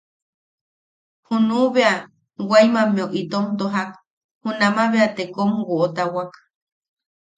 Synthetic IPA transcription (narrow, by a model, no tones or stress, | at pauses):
hunuβea | wajmãmẽoʔit̪omtd̪oɦak | hunamaβeat̪ekomuwoʔot̪awak